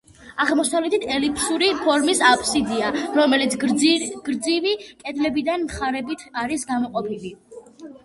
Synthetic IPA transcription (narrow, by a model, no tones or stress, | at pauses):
aʁlmɔsavlɛt̪it̪ʰɛlipʰsuɾipʰɔɾmisapʼʰsid̪iaɾɔmɛlit̪sʰɡ̥ɾd̪zivikʼɛd̪lɛbid̪anmχaɾɛbit̪ʰaɾisɡamɔqʼɔpʰili